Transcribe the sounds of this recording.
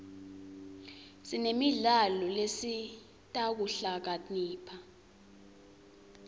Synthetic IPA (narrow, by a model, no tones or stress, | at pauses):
sinemiɮalɔlesi | tʼak̬uɬak̬aniːpʰa